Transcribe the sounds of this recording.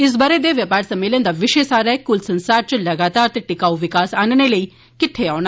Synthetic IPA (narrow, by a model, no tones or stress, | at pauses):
ɪs̬baːɾed̪eʋjɐpaːɾsɐmːeːlənd̪aʋɪʃesaːɾaekʊlsɐ̃nsaːɾt͡ʃɐlɐɡaːt̪aːɾt̪eʈɪkaːuʋɪkaːsaːnneləi | kɪt̪ʰːeaːna